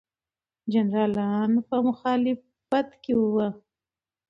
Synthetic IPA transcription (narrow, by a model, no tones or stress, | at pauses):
d͡ʒanɾɑlɑnpəmʊxɑlɪffat̪kewəwə